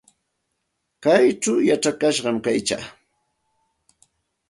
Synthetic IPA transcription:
kajʈ͡ʂawjaʈ͡ʂakaʃɢɑmkajt͡ʃa̰ː

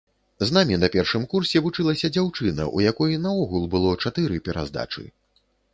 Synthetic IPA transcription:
znamʲinɐpʲɛrʂɨmkursʲɛvut͡ʂɨlˠɐsʲɐd͡zʲawt͡ʂɨnɐ̰ʔṵjakɔjnɐɔɣulˠbɨlˠɔt͡ʂat̪ɨɾɨpʲɛɾa̰zd̪a̰t͡ʂɨ̰

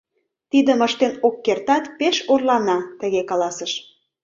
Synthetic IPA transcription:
t̪id̪əməʃt̪enokːert̪ɑt̪peʃorlɑnɑt̪ə̆ɣekɑlɑsəʃ

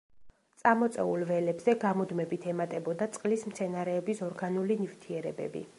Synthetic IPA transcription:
t̪sʼamɔt̪sʼɛ̰ulˠvɛlɛbzɛɡamɔd̪mɛbit̪ʰɛmat̪ʼɛbɔd̪at̪sʼqʼlismt̪sʰɛnaɾɛːbisɔɾɡanulinivt̪ʰiɛɾɛbɛ̰bḭ

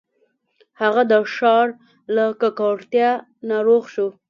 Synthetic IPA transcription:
haɣad̪əʃɑɾ | lakakɑɽt̪jɑ | naɾoɣʃo

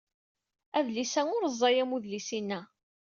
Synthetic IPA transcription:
æðlisæŋʊɾəzˤːɑjæmuðlisinːæ

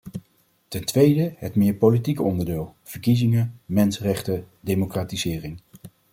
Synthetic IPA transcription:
tɛntʋejdəɦətmɪːɹpowlitikəɔndəɹdɪːlˠv̥əɹkizɪŋəmɛnsərɛχtə | dejmokraːtizɪːrɪŋ

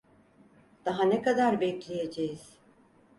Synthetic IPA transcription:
d̪̥aɦanekad̪aɾbɛclʲejed͡ʒejiz̥

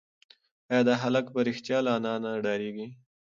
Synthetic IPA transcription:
ajɑd̪aɦalakpəɾɪxt̪jɑlɑnɑnaɖɑɾeɡi

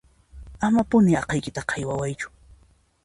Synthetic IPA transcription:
amapʊnɪɑqɑjkɪt̪aqʰɑjwawajt͡ʃʊ̥

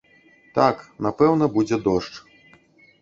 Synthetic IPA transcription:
t̪aknapɛwnɐbud͡zʲɛd̪ɔʂt͡ʂ

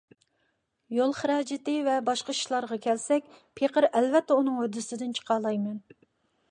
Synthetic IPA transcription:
jolˠχəɾɑːd͡ʒɪt̪ɪvɛbɑʃqɑi̥ʃlˠɑɾʁɑkʲʰɛlsɛk̚ʲpʰeqəɾɛlvɛt̪ʰːɛunɨŋød̪ɪsɪd̪ɪnt͡ʃʰə̥qɑlˠɑjmɛn

